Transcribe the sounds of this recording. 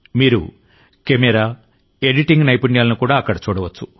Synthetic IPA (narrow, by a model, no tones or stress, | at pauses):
miːɾṵ | kemeɾaː | eɖiʈiŋɡnɐjpuɳɖijaːlɐnukuːɽaːɐkːɐɽɐt͡ʃuːɽɐʋɐt͡ʃːu̥